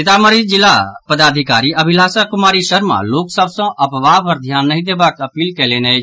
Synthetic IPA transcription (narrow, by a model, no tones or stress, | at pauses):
sɪt̪aːməɾid͡ʒɪlapəd̪aːd̪ʱɪkaːɾiəbʱɪlaːsəkʊmaːɾiʃəɾma̰loːksəbsə̃ʔəpʋaːbɦəɾd̪ʱjaːnːəɦĩd̪eːbakəpiːlkɛlenɛ